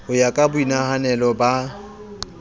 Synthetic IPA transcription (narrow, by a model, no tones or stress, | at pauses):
ʊjakʼabʊinahanɛlɔba